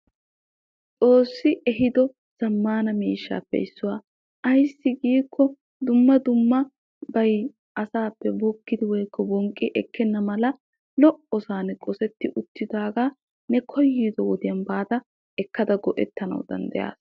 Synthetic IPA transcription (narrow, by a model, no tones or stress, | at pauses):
t͡sʼo̞ːsːɪʔɛɦɪd̪ɔ | z̥ɐmːaːnɐmiːʃːa̰ːpːɛ̰ɪsːʊwaː | ʔɐjsːɪɡiːkʰːɔ | d̪ʊmːɐd̪ʊmːɐ | bɐj | ʔɐsaːpːɛbɔkːɪd̪ɪwɔjkːɔbɔŋkʼːɪʔɛkːɛnːɐmɐlɐ | lɔʔɔsaːnɛkʼɔsɛt̪ːɪʔʊt̪ːɪd̪aːɡaː | nɛkʰɔjːiːd̪ɔwɔd̪ɪjɐnbaːt̪ɐ | ɛkːɐd̪ɐɡɔʔɛt̪ːɐnɐ̰wd̪ɐ̰nd̪ɛ̰ja̰ːs